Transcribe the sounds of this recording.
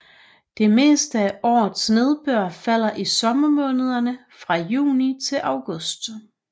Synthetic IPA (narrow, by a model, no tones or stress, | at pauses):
d̥e̝me̝̰ːsd̥əæʔɒ̰ːð̩ˠsne̝ð̞ˠb̥ɶɐ̰fæl̰ɐʔisɒ̽mɐmɔ̽ːnəð̞ˠɐnəfʁɑ̈jṵːnit͡sʰe̝lʔɑ̈ʊɡ̥ɔ̽sd̥